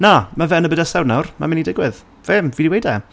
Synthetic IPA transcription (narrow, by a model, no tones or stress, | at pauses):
namavɛnəbədəsɛwdnawrma̰mɪnidɪɡwɪð | vɪmviːdiwejdɛ